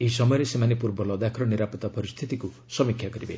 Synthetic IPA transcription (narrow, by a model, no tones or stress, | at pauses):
eɦisɔmɔjɔɾesemanepuɾbɔlɔd̪akʰɔɾɔniɾapɔt̪ɔpɔɾist̪ʰit̪iku | sɔmikʰjakɔɾibe